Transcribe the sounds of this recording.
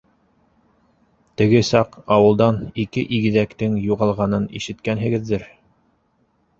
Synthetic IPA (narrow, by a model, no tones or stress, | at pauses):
t̪ɘ̆ɡɘsɑqɑwɤ̆lˠd̪ɑnikɘʔiɡɘ̆ðækt̪ɘŋjuʁɑlˠʁɑnɤnḭʃɘ̆t̪kænɦɘ̆ɡɘ̆ðːɘɾ